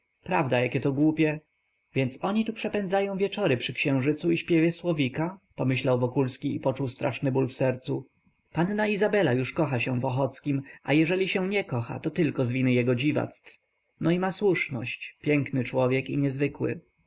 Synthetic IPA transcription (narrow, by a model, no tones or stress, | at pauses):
pɾavd̪ajakʲɛt̪ɔɡwupʲjɛ | vʲjɛnt̪sɔɲit̪upʂɛpɛnd̪zajɔ̃w̃vʲjɛt͡ʂɔɾɘpʂɘkɕɛ̃w̃ʐɘt̪suiɕpʲjɛvʲjɛswɔvʲikapɔmɘɕlawvɔkulskʲiːpɔt͡ʂuwst̪ɾaʂnɘbulfsɛɾt̪su | panːaizabɛlajuʂkɔxaɕɛ̃vɔxɔt̪skʲimʔa̰jɛʐɛlʲiɕɛɲɛkɔxa̰t̪ɔt̪ɘlkɔzvʲinɘjɛɡɔd͡ʑiva̰t̪st̪f | nɔimaswuʂnɔ̰ɕt͡ɕpʲjɛŋknɘt͡ʂwɔvʲjɛkiɲɛzvɘkwɘ̰